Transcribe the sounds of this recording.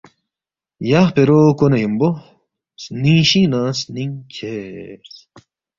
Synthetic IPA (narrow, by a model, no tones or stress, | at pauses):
jaχpeɾokonɐjimbo | snĩːɕinaːsniŋkʰes